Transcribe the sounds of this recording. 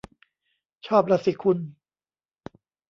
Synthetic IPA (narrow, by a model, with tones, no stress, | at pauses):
t͡ɕʰɔː˥˩p̚ɾa˧si˨˩kʰu˧n